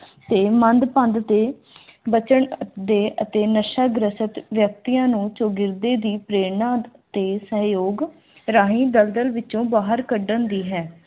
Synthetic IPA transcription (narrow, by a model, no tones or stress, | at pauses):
t̪eːmənd̪pə̃nd̪t̪eː | bət͡ʃəɳd̪eːʔət̪eːnəʃaːɡɾəsət̪ʋjək̚t̪ijãːnũːt͡ʃoːɡɪɾd̪eːd̪iːpɾeːnãːt̪eːsəɦjoːɡ | ɾaːɦĩːd̪əld̪əlʋɪt͡ʃõːbaːɦəɾkəɖənd̪iːɦɛː